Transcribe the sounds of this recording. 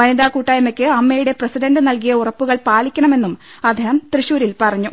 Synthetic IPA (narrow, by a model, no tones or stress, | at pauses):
ɐniðaːkuːʈːaːjɐmekʲːɨɐmːejuɽe̞presiɖɐnɖɨnɐlkijɐurɐpːuɣɐɭpaːɭikʲːɐɳɐme̞nːum | ɐd̪ʱːiɦɐmt̪riɕuːɾilpɐrɐɲːu